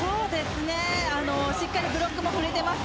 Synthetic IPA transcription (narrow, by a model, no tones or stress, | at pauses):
soːd̪e̞sɨne̞anoɕikːaɲʲibɯɾok͈ːɯmokɯɾit̪e̞ma